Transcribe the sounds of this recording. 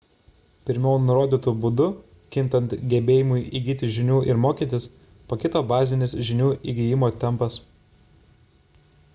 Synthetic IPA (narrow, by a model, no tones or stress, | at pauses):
pʲɪɾʲmʲɛʊnʊɾoːd̪ʲiːt̪ubʊd̪ʊ | kʲɪnˑt̪ɐnt̪ɡʲɛbʲeːjɪmʊɪʔiːɡʲiːt̪ʲɪʒʲɪnʲuːʔɪɾmoːkʲiːt̪ʲɪs | pokʲɪt̪oːbɑːzʲɪnʲɪsʒʲɪnʲuːʔiɡʲɪjɪmoːt̪ʲɛmˑpɐs